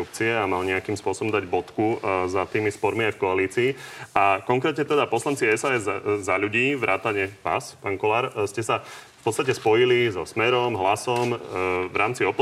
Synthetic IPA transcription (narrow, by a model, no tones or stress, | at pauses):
up̚t͡siɛamalɲɛakiːmspʊɔsɔbɔmd̪aɟbɔt̪kuzat̪iːmispɔɾmiajfkɔaliːt͡siːakɔŋkɾɛːt̪ɲɛt̪ɛd̪apɔslant͡siɛsaːɛzːaʎuɟiːʋɾʔa̰ːt̪aɲɛʋa̰ːspaːŋkɔlaːɾscɛsafpɔtt͡sst̪acɛspɔjilizɔsmɛɾɔmɦlasɔmʋɾʔaːmt͡siɔp